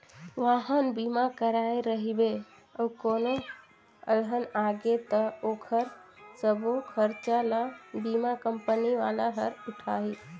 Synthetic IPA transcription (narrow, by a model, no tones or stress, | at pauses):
ʋaɦənbimakəɾaeɾəɦibe | əukono | əlɦənaɡet̪əokʰəɾsəbokʰəɾt͡ʃalabimakəmpəniʋalaɦəɾʊʈʰai